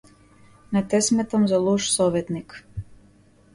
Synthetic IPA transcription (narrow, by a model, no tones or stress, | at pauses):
nat̪ɛsmɛt̪amzalˠuʃsɔʋɛt̪nik